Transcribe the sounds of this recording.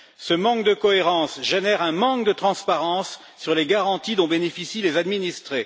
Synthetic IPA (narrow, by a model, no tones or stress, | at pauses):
səmɑ̃k̚d̪əkɔeʁɑ̃sʒenɛʁɛ̃mɑ̃kd̪ət̪χɑ̃spaʁɑ̃sː | yʁleɡaʁɑ̃t̪id̪ɔ̃benefisilezad̪minist̪χe